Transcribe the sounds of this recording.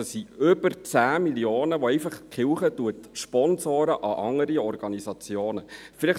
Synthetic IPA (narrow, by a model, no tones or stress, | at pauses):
əsːiʏbəɾt͡sæːmiljoːnəʋɔɛjfəχkχɪwχətuətʃpɔnsoːɾəʔɑʔɑŋːəɾiɔrɡ̥ɑnisɑt͡sjoːnəfɪlɪχ